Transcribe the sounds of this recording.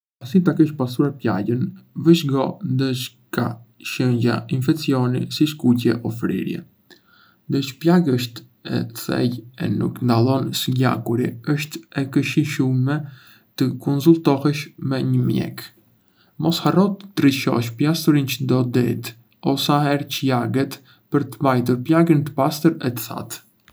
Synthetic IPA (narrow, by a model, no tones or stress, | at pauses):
asit̪akiʃpasuɾɛpʎa̰ɟənvəʃɡɔ̰nd̪ət͡ʃ | ka̰ | ʃəɲɟa̰infɛkt͡siɔnḭsiʃkucɛʔɔfɾḭɾjɛ̰ | nd̪ət͡ʃplaɡəʃt̪ | ɛ̰θɛ̰jɛ̰nṵknd̪alˠɔnsəɟa̰kuɾiəʃt̪ɛkəʃiʃumɛ | t̪əkɔnsult̪ɔhɛʃmɛɲəmjɛ̰k | mɔsharɔt̪əːɾiʃɔ̰ʃpjast̪uɾint͡ʃəd̪ɔd̪ɛt̪ | ɔsahɛɾcəjaɡɛt̪ | pəɾt̪əbajt̪̬uɾplaɡənt̪ə̥past̪əɾɛt̪ə̥θa̰t̪